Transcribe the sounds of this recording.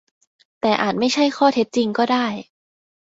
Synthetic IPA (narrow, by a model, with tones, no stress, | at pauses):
t̪ɛː˨˩ʔa̰ː˨˩t̪̚ma˥˩jt͡ɕʰa˥˩jkʰɔː˥˩t̪ʰe˦˥t̪̚t͡ɕi˧ŋkɔː˥˩daː˥˩j